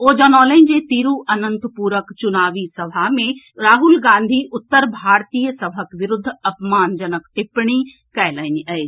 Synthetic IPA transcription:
oːd͡ʒɐnɔːlɐ̃nd͡ʒet̪iɾuːʔɐnə̃nt̪puːɾəkt͡ʃʊnaːʋisɐbʱaɦmẽ | ɾaːɦʊlɡãːnd̪ʱiʔʊt̪ːəɾbʱaːɾt̪iːjəsɐbʱəkʋɪɾʊd̪ʱːɐpmaːnd͡ʒɐnəkt̪ɪpɽ̃i | kɛːləɪniɐe

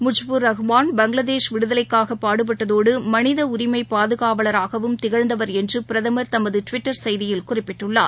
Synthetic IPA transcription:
mʊd͡ʒbɯɾːɐɣɯʋaːnbɐŋɡlɐðeːʂʋɪɽɯðɐlɐɪkːaːɣɐpːaːɽɯp̬ɐʈːɐðoːɽɯmɐnɪðɐʊɾɪmɐɪpaːðɯɣaːʋɐɭɐɾaːɣɐʋɯmt̪ɪɣɐɻnd̪ɐʋɐɾɛndrɯpɪɾɐðɐmɐɾt̪ɐmɐðɯʈʋɪʈːɐɾsɐjðɪjɪlkʊrɪpːɪʈːɯɭːa̰ː

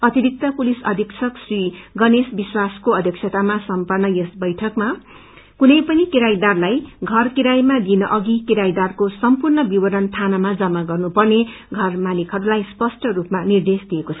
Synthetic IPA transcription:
ʌt̪iɾik̚t̪ʌpulisʌd̪ʱiksʰʌksriɡʌnesbiswaskoʌd̪ʱjʌkt͡sʰʌt̪amasʌmpʌrnːʌjʌsbʌjʈʰʌkma | kunʌjpʌnikiɾajd̪arlajɡʱʌrkiɾajmad̪inʌʔʌɡikiɾajd̪arkosʌmpurnʌbiwʌɾʌnt̪ʰanamad͡zʌmːaɡʌrnupʌrne | ɡʱʌrmanikʰʌɾulajspʌsʈʌɾupmanird̪esd̪iekot͡sʰʌ

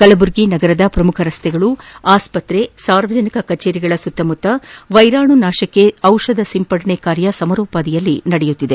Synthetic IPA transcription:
kɐlɐbuɾɡinɐɡɐɾɐd̪ɐpɾɐmukʰɐɾɐst̪ʰɛɡɐɭuaːspɐt̪ɾe̞saːɾʋɐd͡ʒɐnikɐkɐt͡ʃeːɾiɡɐɭɐsut̪ːɐmut̪ːɐʋɐjɾaːɳunaːʃɐkːeɐwʂɐd̪ɐsimpɐɽɐɳekaːɾjɐsɐmɐɾɔːpaːd̪ijɐlːinɐɽejut̪ːid̪e

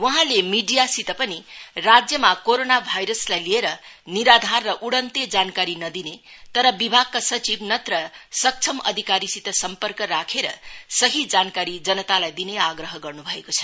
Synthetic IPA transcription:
wʌɦãlemiɖijasit̪ʌpʌnirad͡zjʌmakoɾonabʱajɾʌslajlieɾʌniɾad̪ʱarːʌʔuɽʌnt̪ed͡zankaɾinʌd̪inet̪ʌɾʌbibʱaɡ̚kːasʌt͡sibnʌt̪rʌsʌk̚t͡sʰʌmʌ̰d̪ʱikaɾisit̪ʌsʌmpʌrkʌɾakʰeɾʌ̰sʌɦid͡zankaɾid͡zʌnʌt̪alajd̪ineaɡrʌɦʌɡʌrnubʱʌekot͡sʰʌ̥

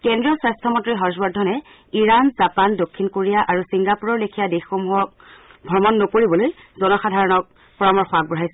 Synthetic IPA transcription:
kɛndɹiɔswastʰɔmɔntɹiɦɔsbɔdʱːɔnɛ | iɹanzapandokʰːinkoɹijaʔaɹusiŋɡapuɹɔɹlekʰijadexxomuɦɔk̚bʱɔɹmɔnːokoɹibɔloj | zɔnɔxadʱaɹɔnɔk̚ | pɔɹamɔɹxɔak̚bɔɦajsɛ

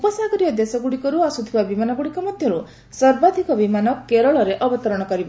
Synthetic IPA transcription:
upɔsaɡɔɾiɔd̪esɔɡuɽikɔɾuasut̪ʰibabimanɔɡuɽikɔmɔd̪ʱjɔɾu | sɔɾbad̪ʱikɔbimanɔkeɾɔɭɔɾeʔɔbɔt̪ɔɾɔɽ̃ɔkɔɾibɔ

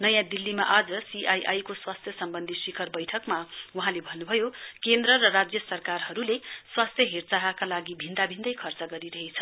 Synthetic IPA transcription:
nʌjãd̪ilːimaʔad͡zʌsiʔajʔajkoswast̪ʰjʌsʌmbʌnd̪ʱisikʰʌrbʌjʈʰʌkmawuɦãlebʱʌnːubʱʌjokend̪rʌɾʌrad͡zjʌsʌrkarɦʌɾuleswast̪ʰjʌɦert͡saɦakalaɡibʱind̪abʱind̪ʌjkʰʌrt͡sʌɡʌɾiɾʌɦet͡sʰʌ

